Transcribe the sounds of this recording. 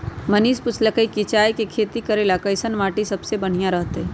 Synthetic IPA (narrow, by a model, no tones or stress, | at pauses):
mɐniːspʊt͡ʃʰlɐkəikit͡ʃaːjkekʰeːt̪ikɐɾeːlakɐɪsənmaːʈisɐbsebɐɽ̤ijãɾɐɦt̪eɛ